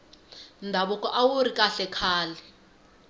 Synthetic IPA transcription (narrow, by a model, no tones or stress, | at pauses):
ndʱaɓukʼɔʔawuɾikʼaɬɛkʰaːlɛ